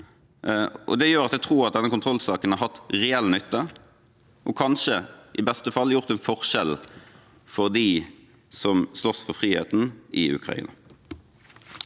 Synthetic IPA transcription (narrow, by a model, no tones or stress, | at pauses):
ʔɔ̰d̪ɛjøːɾɑt̪d̪æɪt̪ʰʁuːɾɑt̪̚d̪ɛnːəkʊnt̪ʰʁɔlsɑːkənhɑɦɑt̪ːʁɛɛlːnʏt̪ːə | ʔɔkʰɑnʃəʔɪbɛst̪əfɑlːjʊʁt̪ɛnfɔʁʃɛl | fɔʁd̪iː | sɔmslɔsfɔʁfʁiːhḛːt̪n̩ʔɪʉ̰kʰʁɑ̰ḭːnɑ